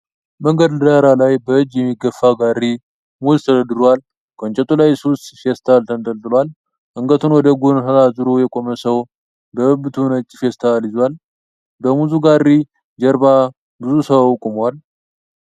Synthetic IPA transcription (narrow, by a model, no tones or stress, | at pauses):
məŋɡəd̪lɨd̪aɾalajbəɨd͡ʒjɛmːiɡəfːaɡari | muzt̪ʰəd̪əd̪ɨɾwal | kʰənt͡ʃʼɛt̪ʼulajsust̪fest̪ʰalt̪ʰənd̪ʼəlt̪ʼːɨlwal | ʔɨŋɡət̪ʰunwɔd̪əɡonhəɾazɨɾojɛkʼo̞məsəw | bəbɨt̪ʰunət͡ʃʼːɪfest̪ʰalizwal | bəmuzuɡarːi | d͡ʒɛɾba | bɨzusəwawkʼumwal